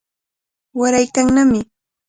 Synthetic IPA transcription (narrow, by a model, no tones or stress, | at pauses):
waɾajkaŋnamɪ